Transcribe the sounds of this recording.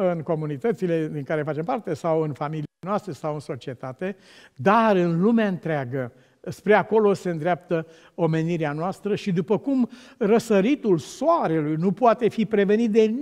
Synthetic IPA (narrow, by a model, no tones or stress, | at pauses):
ɨnko̞munit̪ət̪sile̞d̪iŋkaɾe̞fat͡ʃe̞mpart̪e̞sawɨnfamilinoast̪ɾe̞sawɨnso̞t͡ʃie̞t̪at̪e̞ | d̪aɾɨnlumeaɨnt̪ɾeaɡə | spɾe̞ako̞lo̞se̞ɨnd̪ɾeap̚t̪ə | o̞me̞niɾeanoast̪ɾəʃid̪upəkum | rəsəɾit̪ulsoaɾe̞lujnupʊat̪e̞fipɾe̞ve̞nit̪̚d̪e̞